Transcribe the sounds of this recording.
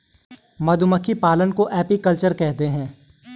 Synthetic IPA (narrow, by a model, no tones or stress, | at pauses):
mɐd̪ʱʊməkʰːipaːlənkoʔɛːpikɐlt͡ʃəɾkɛɦt̪eɦɛ̃ː